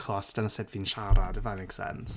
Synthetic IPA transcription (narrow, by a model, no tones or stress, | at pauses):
kʰlɔstanəsɛdvinʃaɾadəvameksɛ̰ns